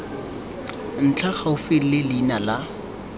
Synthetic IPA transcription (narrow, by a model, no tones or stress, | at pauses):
n̩t͡ɬʰaχaʊfɪl̩lɪliːnala